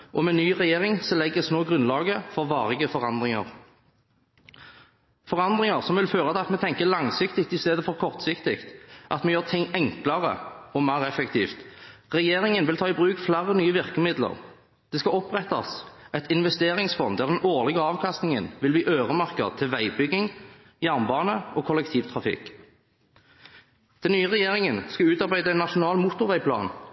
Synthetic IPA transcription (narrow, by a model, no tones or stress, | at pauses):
ʔɔmɛnyːʁɛjeːʁɪŋsɔlɛɡːəsnoːɡʁʉnlɑːɡəfɔʁʋɑːʁɪɡəfɔʁɑnd̪ʁɪŋə̰ʁ | fɔʁɑnd̪ʁɪŋəʁsɔmʋɪlføːʁət̪ʰɛɑt̪mɛt̪ʰɛŋkəlɑŋsɪkt̪ɪkt̪ɪst̪eːd̪əfɔʁkʰɔʁt̪sɪkt̪ɪkt̪ʔɑ̰t̪mɛjøːʁt̪ʰɪŋɛŋklɑʁə̰ɔmæːʁɛfɛkt̪ʰḭːft̪ʁɛjeːʁɪŋənʋɪlt̪ʰɑːɪbʁʉːkflæɾənyːəʋɪʁkəmɪd̪lə̰ʁ | d̪̥ɛːskɑɔpʁɛt̪ːɑ̰sɛt̪ɪnʋɛst̪eːʁɪŋsfɔnd̪æʁd̪ɛnoːʁlɪɡəɑːʋkʰɑst̪nɪŋə̰nʋɪlbliːʔøːʁəmɑʁkədt̪ʰɪlʋæɪbʏɡɪŋ | jæʁnbɑːnəʔoːkʰɔlɛkt̪ʰiːʋt̪ʰʁɑfɪ̰k | d̪̥ɛnnyːəʁɛjeːʁɪŋənskɑʉːt̪ɑʁbæɪd̪əæɪnːɑʃʊnɑːlmuːt̪ʊʋæɪpʰlɑ̰ːn